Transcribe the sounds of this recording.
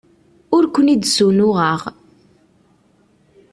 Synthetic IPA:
ʊɾkʷənid̪sunʊʁəʁ

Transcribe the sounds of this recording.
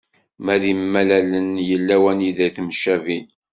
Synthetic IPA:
mæðimːælælənjəlːæwæniðæjθmʃævin

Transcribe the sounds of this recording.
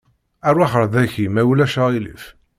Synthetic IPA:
ærˤwaħəɾˤðæçimæwlæʃəʁilḭf

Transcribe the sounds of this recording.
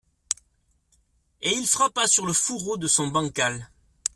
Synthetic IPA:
eilfχapasyʁləfuʁod̪əsɔ̃bɑ̃kal

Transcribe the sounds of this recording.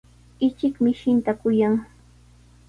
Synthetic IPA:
ɪt͡ʃɪkmɪʃɪnt̪akʊjaŋ

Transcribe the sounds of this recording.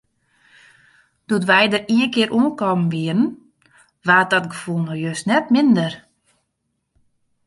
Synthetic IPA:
d̥utʋɛjdəriənkɪəɾʔuənkɔmənʋiərən̩ | ʋaːt̚ɔtɡəfulˠnɔjøsnɛt̚mɪndər

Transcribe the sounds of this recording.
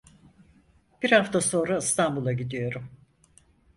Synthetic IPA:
b̥iɾhaft̪ʰaso̞ːnɾaɯst̪ʰambulˠaɟid̪ijo̞ɾum

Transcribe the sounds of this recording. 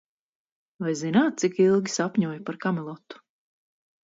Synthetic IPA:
vajzinaːt̪̚t̪sikilˠɡʲisapʲɲuɔːjupaɾkamɛlˠɔt̪ːu̥

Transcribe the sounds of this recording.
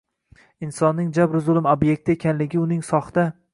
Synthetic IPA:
ɪnsɒnːɪŋd͡ʒabɾzʊlˠɪmobje̞k̚ʲt̪ʰɪekʲʰanlɪɡʲɪʊnɪŋsɒχd̪a

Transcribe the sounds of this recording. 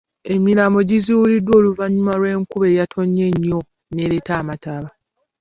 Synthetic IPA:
e̞miɾamo̞ɟiziwulidwo̞ːluvaɲːumaɾwe̞ːŋkuβe̞ːjatʰo̞ɲːe̞ɲːo̞ | ne̞ːɾe̞taːmataβa

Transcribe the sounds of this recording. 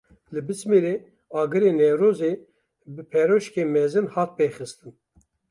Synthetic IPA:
lɨbɨt͡smiɾeː | ɑːɡɨɾeːnɛvɾoːze | bɨpʰɛɾoːʃkeːmɛzɨnhɑːt̪̚peːxɨst̪ɨn

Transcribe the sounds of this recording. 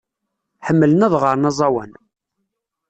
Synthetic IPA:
ħəmːələnæðʁəɾˤnɑzˤɑwæ̰n

